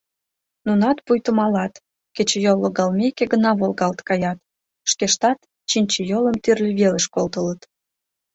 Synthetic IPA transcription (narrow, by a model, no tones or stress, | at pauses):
nunɑt̪pujt̪əmɑlɑt̪ | ket͡ɕəjolˠːoɣɑlmʲekeɡənɑβolɣɑlt̪kɑjɑt̪ | ʃkeʃt̪ɑt̪ | t͡ɕinʲt͡ɕəjoləmt̪yrlʲiβeləʃkolt̪ələt̪